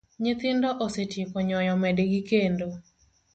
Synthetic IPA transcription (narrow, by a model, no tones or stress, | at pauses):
ɲɪt̪ɪndɔʔosetɪkɔɲɔjɔmɛdeɡikendo